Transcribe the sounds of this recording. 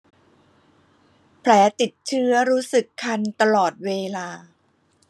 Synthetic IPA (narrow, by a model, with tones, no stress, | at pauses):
pʰlɛː˩˦t̪i˨˩t̪̚t͡ɕʰɯ˦˥ɐɾuː˦˥sɯ˨˩kʰːa˧nt̪a˧lɔː˨˩t̪̚weː˧laː˧